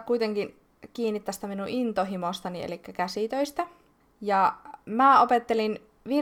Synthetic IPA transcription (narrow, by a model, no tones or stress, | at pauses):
kuijt̪eŋkin | kiːnːit̪ːæst̪æminuʔint̪oɦimost̪ɑniḛlikːækæsit̪øist̪æ | jɑmæːopet̪ːelin | ʋi